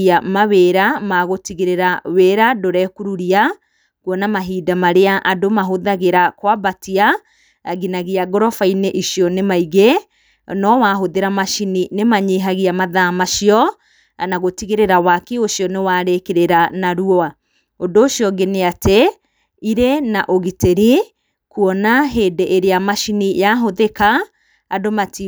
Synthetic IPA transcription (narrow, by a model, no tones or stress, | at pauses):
amaβeːɾamaɣotiɣeɾeɾaweːɾadoɾɛkuɾuɾia | kwɔnamaɦiːdamaɾeaʔadomaɦoðaɣeɾakwabatia | ɡinaɣiaɡɔɾɔfaineʔiʃiɔnemaiɣe | nɔwaːɦoðeɾamaʃininemaɲeɦaɣiamaðamaʃiɔ | anaɣotiɣeɾeɾawakeoʃiɔnewaːɾekeɾeɾanaɾuɔa | ondoːʃjɔɡeneatɛ | iɾenaʔoɣiteɾi | kuɔnaɦeːdeʔeɾeamaʃinijaɦoðekaː | domati